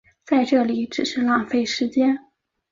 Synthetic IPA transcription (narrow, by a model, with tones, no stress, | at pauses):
t͡sa˥˧ɪʈ͡ʂɤ˥˩li˨˩˦ʈ͡ʂɻ̩˨˩ʂɻ̩˥˧lɑ˥˩ŋfe˥˩ɪʂɻ̩˧˥t͡ɕjɛ˥n